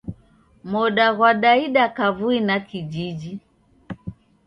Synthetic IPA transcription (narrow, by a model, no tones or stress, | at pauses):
mɔɗaɣwaɗaiɗakavuinakid͡ʒid͡ʒi